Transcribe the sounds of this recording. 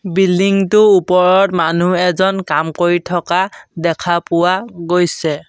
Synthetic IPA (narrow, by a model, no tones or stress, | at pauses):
bildiŋtʊupɔɹɔtmanuɛzɔnkamkoɹitʰɔkadɛkʰapʊwaɡojsɛ